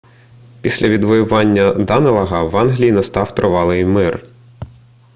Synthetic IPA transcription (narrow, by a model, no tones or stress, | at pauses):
pʲisʲlʲʔɐʋʲid̪ʋɔjʊʋɑnʲːɐd̪ɑnelˠɐɦɐʋɑnɦlʲijinɐst̪ɑwt̪ɾɔʋɑlˠɪjmɪr